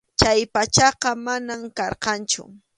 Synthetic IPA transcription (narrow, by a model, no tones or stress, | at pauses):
t͡ʃajpat͡ʃɑqɑmanamkɑɾqɑnt͡ʃʊ̰